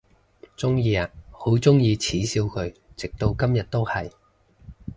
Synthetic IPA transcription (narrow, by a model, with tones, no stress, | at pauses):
t͡sʊ˥ŋjiː˧˨ho˨˥wt͡sʊ˥ŋjiː˧t͡sʰiː˨˥siː˧wkʰɵ˨˧ɥt͡sɪ˨k̚t̪o˧wkɐ˥mjɐ˨t̚t̪o˥whɐ˨j